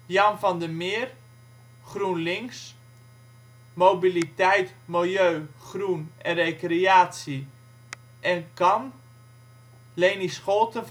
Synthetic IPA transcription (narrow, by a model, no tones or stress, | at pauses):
jɑnfɑndəmɪːr | χrunlɪŋs | mowbilitɛjtmɪlˠjøːχrunɛnrejkreaːtsi | ʔɛnkɑn | lejnisχolˠtə